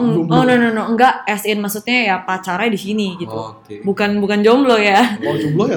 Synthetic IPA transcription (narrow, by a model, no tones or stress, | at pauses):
ɔnononoəŋɡaʔɛsɪnmasut̪̚ɲajapat͡ʃaɾadisiniɡit̪u | bukanbukand͡ʒɔmblɔjaɔd͡ʒɔmblɔja